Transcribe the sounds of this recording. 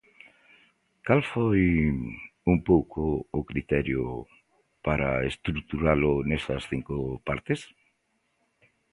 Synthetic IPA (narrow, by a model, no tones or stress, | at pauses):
kalfoj | umpowkʰʊːkɾit̪ɛɾjo | paɾa̰est̪ɾuk̚t̪uɾalʊnesɐsθiŋkopaɾt̪es